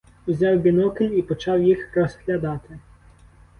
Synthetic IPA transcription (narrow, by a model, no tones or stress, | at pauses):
wzʲɑwbʲinɔkɪlʲipɔt͡ʃɑwjixɾɔshlʲɐd̪ɑt̪ɪ